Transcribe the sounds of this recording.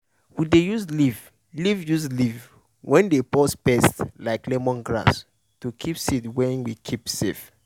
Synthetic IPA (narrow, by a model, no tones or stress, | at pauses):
wudejuzliv | livjuzliv | wʔɛ̃ndepɔspɛstlaɪklɛmɔ̃nɡɹa̰s | tukʰipsitwɛ̃nwikʰipsef